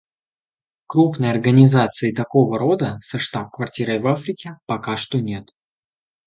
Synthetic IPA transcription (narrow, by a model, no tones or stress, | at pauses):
kɾupnəjɐrɡənʲɪzat̪sɨɪt̪ɐko̞vəɾo̞d̪əsɐʂt̪ap̚kvɐrtʲiɾəjvafɾʲɪkʲɪpɐkaʂt̪onʲe̞t̪